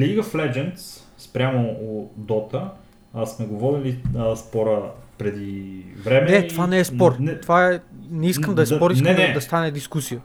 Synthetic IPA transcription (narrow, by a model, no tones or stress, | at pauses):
liɡəflɛd͡ʒɛnt̪s | spɾʲamood̪ɔt̪əː | smɛɡovɔɾiliəspɔɾəpɾɛd̪ivɾɛmɛɛiovanɛɛspɔɾt̪ovaɛnɛiskəmd̪ɐɛspɔɾisk̪d̪ɐst̪anɛd̪iskusijə